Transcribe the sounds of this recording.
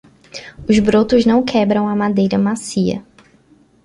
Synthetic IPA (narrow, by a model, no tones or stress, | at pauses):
ʊzbɾot̪ʊznɐ̃w̃kʰɛbɾɐ̃w̃ɐmad̪ejɾɐmasiɐ̰